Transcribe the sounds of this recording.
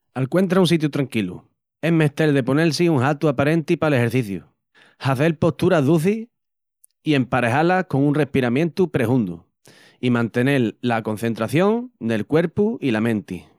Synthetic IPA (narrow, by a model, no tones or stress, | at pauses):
alkwe̞nt̪ɾaunsit̪̬jut̪ɾaŋkilṵ | e̞me̞ht̪e̞lðe̞po̞ne̞lsiuŋɦat̪uapaɾẽ̞nt̪ipale̞he̞ɾθiθjṵ | haθe̞lpo̞ht̪uɾaðuθi | ie̞mpaɾeɦalako̞ŋunrehpiɾamjẽ̞nt̪upɾehund̪ṵ | imãnt̪e̞ne̞lːako̞n̟θe̞nt̪ɾaθjo̞ŋne̞lkwe̞ɾpuilamẽ̞nt̪ḭ